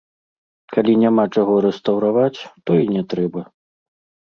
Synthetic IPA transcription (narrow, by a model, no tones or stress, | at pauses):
kalʲinʲamat͡ʂaɣɔɾɛst̪ɐwɾavat͡sʲt̪ɔinʲɛt̪ɾɛbɐ